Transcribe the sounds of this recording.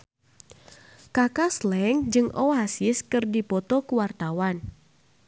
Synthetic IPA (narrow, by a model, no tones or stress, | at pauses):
kakaslɛŋd͡ʒɨŋɔasɪskɨrdipɔt̪ɔkuwart̪awan